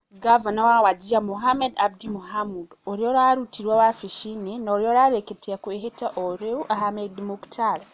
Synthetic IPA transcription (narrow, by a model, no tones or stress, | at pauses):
ɡavanawawaɟiamuɦamedabdimuhamudoɾjoɾaɾutʰiɾwawafiʃinenoɾjoɾaɾeketiakweɦetaʔoɾeuʔaɦamedimuku̥tʰala